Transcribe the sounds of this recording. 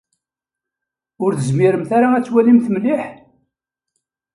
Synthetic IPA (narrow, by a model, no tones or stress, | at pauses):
ʊɾθəzmiɾəmθaɾaæt͡sːwælimθmliħ